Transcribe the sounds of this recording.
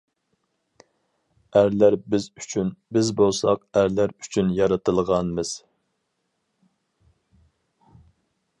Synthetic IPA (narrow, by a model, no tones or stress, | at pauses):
æɾlæɾbɪyt͡ʃʰynbɪzbolˠsɑqæɾlæɾy̥t͡ʃʰynjɑɾɑt̪ʰɨlˠʁɑnmɨz̥